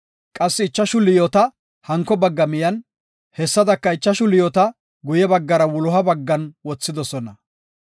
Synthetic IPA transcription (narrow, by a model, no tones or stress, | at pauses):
kʼɐsːɪɪt͡ʃːɐʃʊlɪjɔt̪ɐ | hɐŋkːɔbɐɡːɐmɪjɐn | hɛsːɐd̪ɐkːɐɪt͡ʃːɐʃʊlɪjɔt̪ɐ | ɡʊjɛbɐɡːɐɾɐwʊlɔɦɐbɐɡːɐnwɔt͡sːɪd̪ɔsɔnɐ